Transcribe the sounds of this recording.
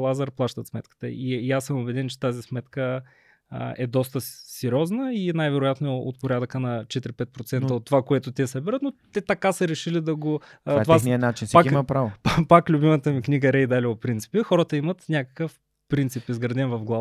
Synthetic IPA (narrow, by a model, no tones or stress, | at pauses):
lˠazəɾplˠaʃt̪ət̪smɛt̪kə̥t̪ə̰ijasːəmʊbɛd̪ɛnt͡ʃɛ̥t̪azismɛt̪kə̰ | ɛd̪ɔst̪əsɛɾʲɔznəinajvɛɾʊjat̪noɛo̰t̪̚poɾʲad̪əkənɐt͡ʃɛt̪ɾipɛt̪̚pɾot̪sɛnəot̪ːovakoɛt̪ʊt̪ʲɛsɐbiɾət̪not̪ɛt̪ɐkasəɾɛʃilid̪ɐɡotaovaniənat͡ʃinsakiimɐpɾavopaklʲʊbimət̪əmiknʲiɡəɾɛjd̪alʲiopɾint̪i̥pixɔɾət̪əimɐt̪nʲakəkəf | pɾint̪sipizɡɾɐd̪ɛnvɐvɡlˠa